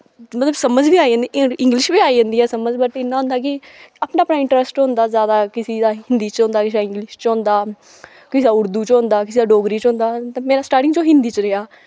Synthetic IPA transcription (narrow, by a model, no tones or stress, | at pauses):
mət̪ləbsəməd͡ʒbiːaːiãːnd̪iɪŋɡlɪʃbiːaːiːd͡ʒãːnd̪iːɛːsəməd͡ʒbəʈːɪnːãːɦʊ̃nd̪aːkɪaːpnãːpnaːɪ̃ɳʈɾəsʈɦʊ̃nd̪aːzjaːd̪aːkɪsiːd̪aːhɪnd̪iːt͡ʃɦʊ̃nd̪aːkɪs̬d̪aːɪ̃ŋɡlɪʃt͡ʃɦõːnd̪aː | kɪsiːd̪aːʊɾd̪uːt͡ʃɦʊ̃nd̪aːkɪsiːd̪aːɖoːɡɾiːt͡ʃɦʊ̃ːnd̪aːt̪ːmeːɾaːsʈaːɾʈɪ̃ŋɡd͡ʒoːɦɪ̃nd̪iːt͡ʃɾɪɦaː